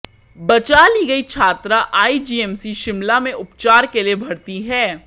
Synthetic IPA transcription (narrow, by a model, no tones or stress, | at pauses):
bɐt͡ʃaːliɡɐit͡ʃʰaːt̪ɾaʔaːid͡ʒiːɛːmsiʃɪmlamẽʔʊpt͡ʃaːɾkeliebʱɐɽt̪iɦɛː